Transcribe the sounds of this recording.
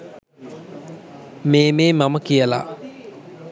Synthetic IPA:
mememamakiala̰ʔ

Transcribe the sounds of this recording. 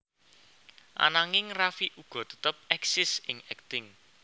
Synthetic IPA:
ʔa̰naŋɪŋrafiʔuɡ̥ɔ̤t̪ə̥t̪əp̚ɛksɪsɪŋɛk̚t̪ɪŋ

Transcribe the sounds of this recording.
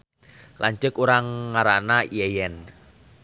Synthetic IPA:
laɲt͡ʃəkuɾaŋːaɾanaiɛjɛn

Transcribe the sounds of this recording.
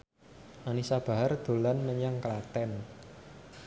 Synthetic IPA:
ʔanisab̥a̤ɦard̪̥o̤lanməɲaŋklat̪ɛn

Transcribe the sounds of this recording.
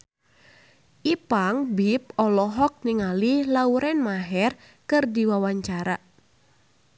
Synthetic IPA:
ʔipaŋbip̚ɔlɔɦɔk̚niŋalilauɾɛnmaɦɛr | kɨrdiwawaɲt͡ʃaɾa

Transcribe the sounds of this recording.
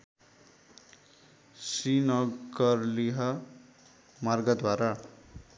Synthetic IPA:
sinʌɡʌrliɦʌ | marɡʌd̪waɾa

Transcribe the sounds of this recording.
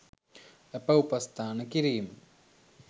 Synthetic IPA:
epːɐupɐst̪ʰaːnɐkiɾijum

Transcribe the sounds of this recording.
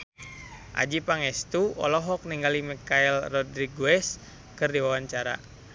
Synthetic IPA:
ʔa̰d͡ʒipaŋɛst̪uɔ̰lɔɦɔk̚niŋɡalimikailrɔdɾiɡuɛs | kɨrdiwawaɲt͡ʃaɾa̰

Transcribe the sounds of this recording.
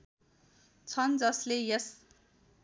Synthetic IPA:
t͡sʰʌnd͡zʌslejes

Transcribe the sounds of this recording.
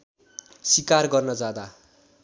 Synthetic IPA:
sikarɡʌrnʌd͡zad̪a

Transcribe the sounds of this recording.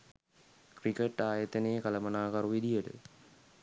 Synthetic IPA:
krikeʈːaːjət̪ənejkɐlɐmɐnaːkɐɾuʋid̪ijəʈə̰

